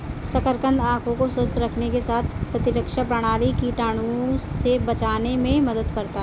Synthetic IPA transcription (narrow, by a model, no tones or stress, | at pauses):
sɐkəɾkə̃nd̪ãːkʰõkosəst̪ɾɐkʰnekesaːt̪ʰpɾɐt̪ɪɾəkʃapɾɐɽ̃aːlikiʈaːɽ̃osebɐt͡ʃaːnemẽmɐd̪əd̪kɐɾt̪aɦ